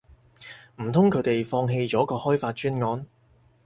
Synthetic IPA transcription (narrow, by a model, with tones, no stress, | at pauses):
m̩˨˩t̪ʰʊ˥ŋkʰɵ˨˥ɥt̪e˨jfɔː˧ŋɦe˧jt͡ʃɔː˨˥kɔː˧hɔː˥jfaː˧t̚t͡ʃyː˥nŋɔː˨˥n